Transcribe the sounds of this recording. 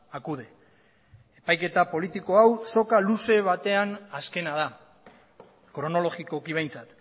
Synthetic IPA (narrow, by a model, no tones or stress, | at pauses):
akuðe̞ | epajke̞t̪apo̞lit̪iko̞awso̞kaluse̞β̞at̪e̞anaske̞naða | kɾo̞no̞lo̞ɣiko̞kiβe̞jnt͡sat̪